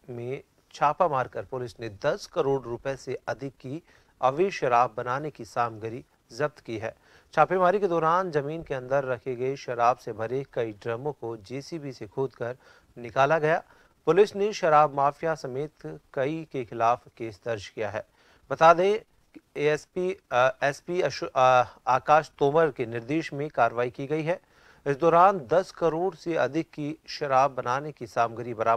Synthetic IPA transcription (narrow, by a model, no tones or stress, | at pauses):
mẽ | t͡ʃʰaːpamaːɾkɐɾpʊlɪsned̪ɐskɐɾoːɖɾʊpeseɐd̪ʱɪkːi | ɐʋɪʃɐɾaːbːɐnaːnekisaːmɡəɾi | zɐb̚t̪kiɦɛ̰ː | t͡ʃʰaːpemaːɾiked̪ɔːɾaːnzɐmiːnkeɐ̃nd̪əɾːɐkʰeɡɐeʃɐɾaːbsebʱɐɾekɐiɖɾɐmõkod͡ʒeːsibʱisekʰoːd̪kɐɾ | nɪkaːlaɡɐjaː | pʊlɪsneʃɐɾaːbmaːfjasɐmeːt̪kɐikexɪlaːfkeːsd̪ɐɾd͡ʒkijaɦɛː | bɐt̪aːd̪ẽː | spiɛːspi | aːkaːʃt̪oːməɾkenɪɾd̪eːʃmẽkaːɾʋaːikiɡɐiɦɛː | ɪsd̪ɔːɾaːnd̪ɐskɐɾoːɽseɐd̪ʱɪkːiʃɐɾaːbːɐnaːnekisaːmɡəɾibɐɾaːbə